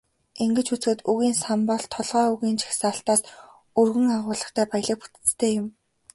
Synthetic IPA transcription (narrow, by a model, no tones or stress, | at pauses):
eŋɡɘ̆t͡ɕut͡sxɘ̆t̪uɣiːnsampɔɮt̪ʰːɔɮʁɔːuɣiːnt͡ɕʰḁxsaːɬt̪aːs | urɣɘ̆ŋaʁʊːɮə̆χt̪ʰæːpaj̆ɮə̆k̚pu̥t̪ɘ̥̆t͡st̪ʰeːjʊm